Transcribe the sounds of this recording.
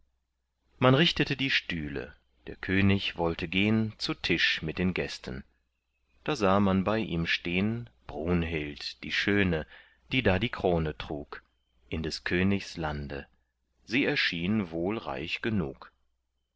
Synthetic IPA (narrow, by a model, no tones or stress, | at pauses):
manʁɪçtətədiːʃtyːlə̰ | d̥eːɐkʰøːnɪçvɔltʰəɡeːənt͡sutʰɪʃmɪt̚d̥eːnɡɛstʰən̩ | d̥aːzaːmanbaɪʔḭːmʃteːənb̥ʁuːnɦɪltd̥iːʃøːnə | d̥iːdaːdiːkʁ̥oːnətʁ̥uːk | ʔɪndɛskʰøːnɪçslandə̰ | ziːɛɐʃiːnvoːlʁa̰ɪçɡ̥ənṵːk